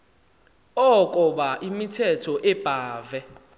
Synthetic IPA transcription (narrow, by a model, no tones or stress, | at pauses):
ɔkʼɔɓaʔimitʰɛtʰɔʔɛb̥ʱaːvɛ